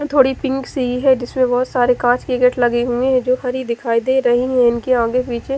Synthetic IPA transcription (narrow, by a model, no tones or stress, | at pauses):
t̪ʰoːɽipɪ̃ŋksiɦɛd͡ʒɪsmẽbɔɦʊt̪saːɾekãːt͡ʃkɪkeʈlɐɡiɦũeɦɛd͡ʒoːhɐɾɦid̪ɪkʰaːid̪eɾɐɦiɦɛ̃ɪnkeãːɡepiːt͡ʃe